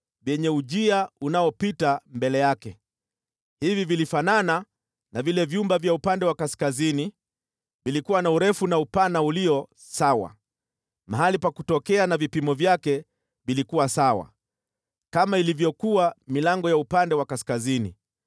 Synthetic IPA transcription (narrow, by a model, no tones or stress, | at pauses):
vjɛɲɛuʄiaunaɔpitambɛlɛjakɛ | hivivilifanana | navilɛvjumbavjaupandɛwakaskazini | vilikuwanauɾɛfunaupanauliɔ | sawa̰ | maɦalipakutɔkɛanavipimɔvjakɛ | vilikuwasawa̰ | kamailivjɔkuwamilaŋɡɔjaupandɛwakaskazinḭ